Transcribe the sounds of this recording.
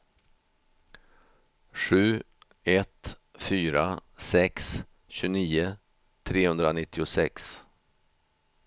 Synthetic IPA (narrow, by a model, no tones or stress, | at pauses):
ʂʉ̟ː | ɛt̪fyːɾasɛks | ɕʉːniːə | t̪ʰɾeːhɵnd̪ɾanɪt̪ʰːɪʊsɛ̰ks